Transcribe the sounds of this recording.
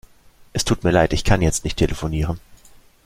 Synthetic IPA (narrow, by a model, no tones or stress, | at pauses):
ʔɛstʰuːtmiːɐlaɪtɪçkʰanjɛt͡stnɪçtʰelʔəfoniːʁən